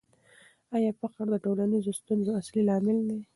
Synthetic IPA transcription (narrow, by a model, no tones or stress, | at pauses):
ɑjɑpaqaɽd̪əʈolanizost̪unzoaslilɑmɪld̪e